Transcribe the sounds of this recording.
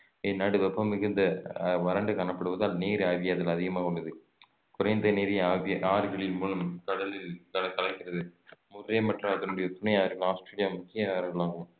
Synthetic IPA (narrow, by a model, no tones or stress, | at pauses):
ɛːnaːɽɯʋɛpːɐmɪɣɯnd̪ɐʋɐɾɐɳɖɯkɐɳɐpːɐɽɯʋɐðaːlneːɾaːʋɪjaːðɐlɐðɪɣɐmaːʊɭːɐðɯ | kʊɾɐɪnd̪ɐneːɾɪaːʋɐʔaːɾɣɐɭɪlmulɯmkɐɽɐlɪlkɐkɐlɐkːɪrɐðɯmʊɾɾeːmɐʈrɐɐðɐnʊɽɐjɐt̪ʊnɐjaːɾɣɐɭaːsʈɾeːlɪjaːmʊkːɪjɐɾɐɡɐɭaːŋɡɯm